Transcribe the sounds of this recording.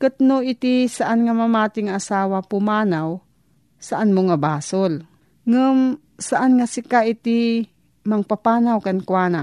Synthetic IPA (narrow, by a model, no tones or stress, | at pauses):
kɨt̪noɪt̪ɪsaʔanŋamamaːt̪ɪŋaʔasaːwapʊmaːnaw | saʔanmʊŋabaːsol | ŋɨm | saʔanŋasɪkaʔɪt̪ɪ | maŋpapaːnawkankwaːna